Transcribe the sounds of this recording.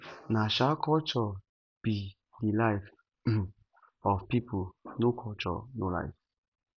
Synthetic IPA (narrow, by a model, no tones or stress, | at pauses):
naʃakɔt͡ʃɔ | b̥i | dilajf | ɔfpipʰonokʰɔt͡ʃɔ̰nola̰jf